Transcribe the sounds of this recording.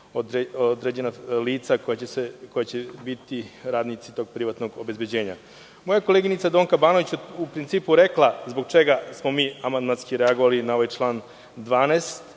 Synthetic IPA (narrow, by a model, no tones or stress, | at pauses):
od̪ɾeod̪ɾed͡ʑe̞naliːt̪sakojaesekojat͡ɕebit̪iɾaːd̪nit̪sit̪o̞ɡ̚pɾiʋat̪no̞ɡo̞bezbed͡ʑe̞ːɲa̰ | mojakoleɡinit̪sad̪o̞ːŋkabaːnoʋit͡ɕupɾint̪siːpuɾe̞klˠazbo̞ɡt͡ʃeɡasmo̞miːamand̪manskiɾeaɡoʋalinao̞ʋajt͡ʃlˠaːn | d̪ʋaːneːst̪